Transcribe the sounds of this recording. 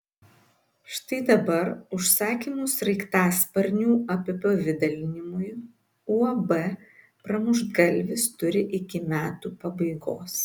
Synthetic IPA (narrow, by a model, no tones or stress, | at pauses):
ʃt̪ɐɪd̪ɐbɐɾʊʃsɑːkʲimʊsɾɐɪkt̪ɑːspɐɾʲnʲuːɐpʲɛpɛʋʲɪd̪ɐlʲɪnʲɪmʊj | uːɐbɛ | pɾɐmʊʒɡɐlʲʋʲɪst̪ʊɾʲɪʔɪkʲɪmʲæːt̪uːpɐbɐɪɡo̰ːs